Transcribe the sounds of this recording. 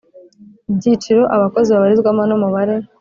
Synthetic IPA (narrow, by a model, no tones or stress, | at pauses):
bɟit͡ʃiɾoʔaβako̞ziβaβaɾizɡwamanumuβaɾe̞